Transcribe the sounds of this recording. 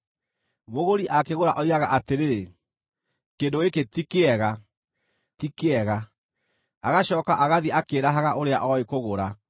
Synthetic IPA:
moɣoɾiʔakeɣoɾaʔɔiɾaɣaʔateɾe | kendoeketikeɛɣa | tikeɛɣa | aɣaɕɔːkaʔaɣaðiʔakeːɾaɦaɣaʔoɾeaʔɔekoɣoɾa

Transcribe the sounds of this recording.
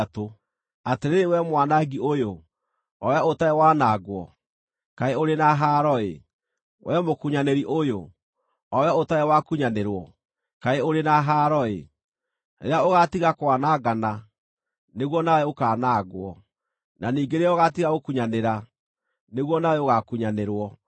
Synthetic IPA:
to | ateɾeewɛmwanaɡiojo | ɔɛaotaewanaːɡwɔ̰ | kaeoɾenaɦaɾɔḛ | wʔɛmokuɲaneɾiʔojo | ɔwotaewakuɲaneɾwɔ | kaeoɾenaɦaːɾɔḛ | eaoɣatiɣakwanaɡana | neɣwɔnaɛokanaːɡwɔ | nʔaniːɡeɾɛoɣatiɣaokuɲaneɾa | neɣwɔnaeoɣakuɲaneɾwɔ

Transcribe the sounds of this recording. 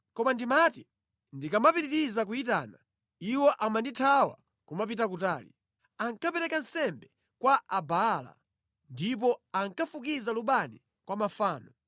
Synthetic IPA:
kɔmandimati | ndikamapiɾiɾizakuit̬a̰ːna | iwɔʔamanditʰawa̰ | kumap̬itak̬utaːlḭ | aŋkapɛɾɛkansɛmbɛ | kwaʔabaːla̰ | ndip̬ɔaŋkafukizaluɓani | kwamafaːnɔ

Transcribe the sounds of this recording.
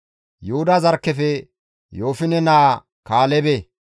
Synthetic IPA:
jʊhʊd̪ɐzɐɾkːɛfɛ | joːfɪnɛnaː | kaːlɛbe

